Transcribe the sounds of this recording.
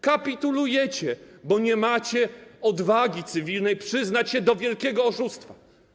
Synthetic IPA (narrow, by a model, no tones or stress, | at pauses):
kapʲit̪ulujɛt͡ɕɛbɔɲɛmat͡ɕɛɔd̪vaɡʲit̪sɘvʲilnɛjpʂɘznat͡ɕɕɛd̪ɔvʲjɛlkʲɛɡɔːʂust̪fa